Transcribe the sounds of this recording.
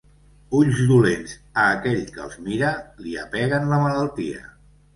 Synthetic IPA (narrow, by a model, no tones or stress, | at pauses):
uʎzd̪ulenzəːkɛʎkə̰lˠzmiɾəliəpɛɣənləmələlˠt̪iə̰